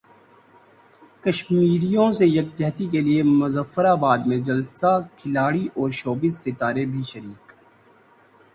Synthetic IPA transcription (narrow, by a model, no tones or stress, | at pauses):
kəʃmiːɾijõsejɐk̚d͡ʒɛɦt̪ikeliemʊzəfːəɾaːbaːd̪mẽd͡ʒɐlsakʰɪlaːɽiʔɔːɾʃoːbɪzːɪt̪aːɾebʱiʃəɾiːk